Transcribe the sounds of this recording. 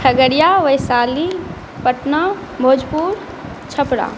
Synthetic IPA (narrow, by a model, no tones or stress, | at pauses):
ʈʰəɡəɽijaʋəjsaːli | pəʈna | mʱoːd͡ʒpuːɾ | t͡ʃʰəpɽa̰ː